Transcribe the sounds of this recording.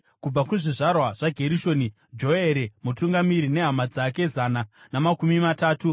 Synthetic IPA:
kub͡vakuʐiʐarwaʐ̥aɡʱe̞ɾiʃo̞ːni | d͡ʒo̞eɾemutuŋɡamiɾine̞ɦamad͡zake̞zananamakumimataːtu

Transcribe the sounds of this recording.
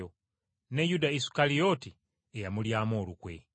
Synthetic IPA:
o | ne̞judaisu̥kalijo̞ti | ejamuljaːmo̞ːlukwe̞

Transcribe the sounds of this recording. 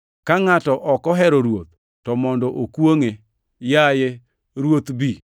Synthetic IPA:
kaŋatɔʔɔkɔɦɛɾoɾwot̪̚ː | ɔmɔndɔʔokwoŋe | jaje | ɾwot̪bi

